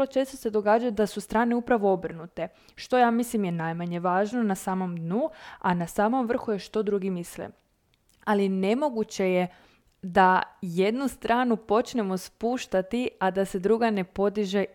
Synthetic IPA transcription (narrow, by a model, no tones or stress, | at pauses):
lo̞t͡ʃe̞ːst̪o̞se̞d̪o̞ɡaːd͡ʒajud̪asust̪ɾaːne̞upɾaʋo̞obr̩nut̪e̞ | ʃt̪o̞jaːmislimjenajmaɲe̞ʋaːʒno̞nasaːmo̞md̪nuanasaːmo̞mʋr̩xuje̞ʃt̪o̞d̪ɾuɡimislḭ | aline̞mo̞ɡut͡ɕe̞je | d̪aje̞d̪nust̪ɾaːnupo̞t͡ʃne̞mo̞spuːʃt̪at̪iad̪ase̞d̪ɾuɡane̞po̞d̪iʒe